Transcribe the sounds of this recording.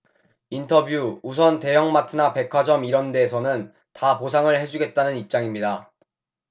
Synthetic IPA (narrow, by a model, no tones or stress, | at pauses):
intʰʌbjuus̬ʰʌnte̞jʌŋmatʰɯnape̞kʰwad͡ʑʌmiɾʌnde̞ːsʰʌnɯn | taposʰaŋɯɭhe̞d͡ʑuɡe̞t̚t͈anɯnip̚t͡ɕ͈aŋimɲida